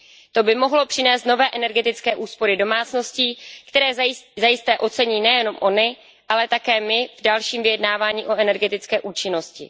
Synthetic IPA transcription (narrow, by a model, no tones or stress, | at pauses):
t̪o̞bɪmo̞ɦlo̞pr̝̥ɪnɛːst̪no̞vɛːʔɛnɛɾɡɛt̪ɪt͡skɛːʔuːspo̞ɾɪdo̞maːt͡sno̞sciːkt̪ɛɾɛːzzajɪst̪ɛːʔo̞t͡sɛɲiːnɛjɛno̞mʔo̞nɪ | ʔalɛt̪akɛːmɪvdalʃiːmvɪjɛdnaːvaːɲiːʔo̞ʔɛnɛɾɡɛt̪ɪt͡skɛːʔuːt͡ʃɪno̞scɪ̰